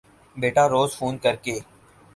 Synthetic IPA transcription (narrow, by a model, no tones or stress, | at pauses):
beːʈaːɾoːzfʰuːnkəɾkeː